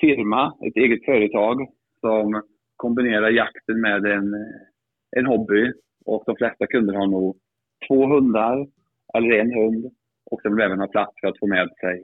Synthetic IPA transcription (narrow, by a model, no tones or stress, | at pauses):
fɪɾmaɛ̰t̪eːɡət̪fœːɾət̪ʰɑːɡ | sɔm | kʰɔmbɪneːɾaɾjakt̪ənmeːd̪ɛn | ʔɛnɦɔbːɪ | ʔɔk̚d̪ɔmflɛst̪akʰɵnd̪əɾhaɳuːɡ | t̪ʰvoːɦɵnd̪aɾ | ʔɛlːəɾɛnɦɵnd̪ | ʔɔksɛmvɪlvɛːvənhɑːpʰlat̪sfœɾat̪foːmɛːd̪sɛj